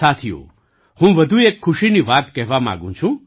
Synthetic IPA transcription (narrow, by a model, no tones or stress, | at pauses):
saːt̪ʰijṵ | hũːʋɐd̪ʱueːkʰːʊʃiniʋaːt̪kɛɦʋamã̰ːɡṵ̃t͡ʃʰũ